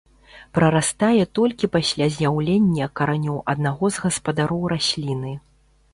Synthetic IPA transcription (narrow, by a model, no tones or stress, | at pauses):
pɾɐɾast̪ajɛt̪ɔlʲkʲipasʲlʲazʲjawlʲenʲːɐkɐɾanʲɔwʔɐd̪naɣɔzɣɐspɐd̪aɾɔwɾasʲlʲinɨ